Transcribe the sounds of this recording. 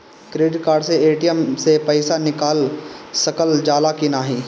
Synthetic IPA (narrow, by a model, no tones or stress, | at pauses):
kɾeːɖɪʈ̚kaːɾɖseeːʈijəmsepɐɪsanɪkaːlsɐkəld͡ʒaːlakinaːɦiː